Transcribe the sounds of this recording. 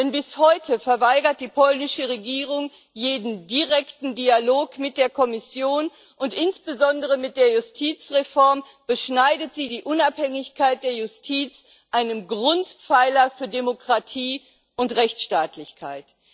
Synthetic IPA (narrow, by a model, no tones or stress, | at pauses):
d̥ɛnbɪshɔʏtʰəfɛɐvaɪɡɐt̚d̥iːpʰɔlnɪʃəʁeɡiːʁ̞ʊŋ | jeːdn̩diʁɛktn̩dialoːkmɪt̚d̥eːɐkʰɔmɪsjoːn | ʔʊntʔɪnsb̥əzɔndəʁ̞əmɪt̚d̥eːɐjʊstʰiːt͡sʁefɔɐm | b̥əʃnaɪdətz̥iːdiːʔʊnaphɛŋɪçkʰaɪt̚d̥eːɐjʊstʰiːt͡s | ʔaɪnənɡʁʊntfaɪlɐfyːɐdemokʁ̥atʰiː | ʔʊntʁɛçt͡sʃtaːtlɪçkʰa̰ɪt